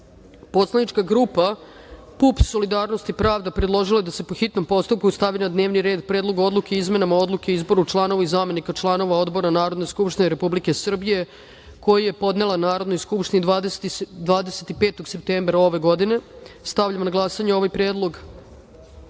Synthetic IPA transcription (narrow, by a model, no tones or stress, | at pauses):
po̞t̪slˠanit͡ʃkaɡɾupa | pupso̞lid̪aːɾno̞st̪ipɾaːʋd̪apɾed̪lˠo̞ʒilajed̪ase̞po̞xit̪no̞mpo̞st̪up̚kust̪aʋinad̪ne̞ːʋniɾeːd̪̚pɾeːd̪lˠo̞ɡo̞d̪lˠukeizme̞namao̞d̪lˠuke̞izbo̞ɾut͡ʃlˠaːno̞ʋaizame̞nikat͡ʃlˠano̞ʋao̞d̪bo̞ɾanaːɾo̞d̪nojskupʃt̪ineɾe̞publike̞sr̩bije̞ | ko̞jaje̞po̞d̪ne̞lanaːɾo̞d̪nojskupʃt̪inid̪ʋaːd̪est̪d̪ʋaːd̪eset̪ipe̞ːt̪o̞ɡse̞p̚t̪embɾao̞ʋe̞ɡo̞d̪ine̞st̪aʋʎʲamnaɡlˠasaɲeo̞ʋajpɾeːd̪lˠo̞ɡ